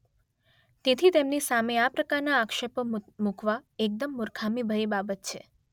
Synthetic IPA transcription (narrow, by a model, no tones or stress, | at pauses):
t̪et̪ʰit̪emnisameapɾəkaɾnaːkʃəpomukʰʋaek̚d̪əmːʊɾkʰamibʱəɾibabət̪t͡ʃʰe